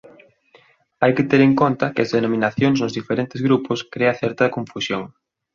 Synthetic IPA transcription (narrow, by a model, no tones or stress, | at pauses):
ajkɪt̪eɾeŋkont̪ɐkɪɐzðenõmĩnaθjoŋznʊzðifeɾent̪ɪzɣɾupʊskɾeɐθɛɾt̪ɐkõɱfusjoŋ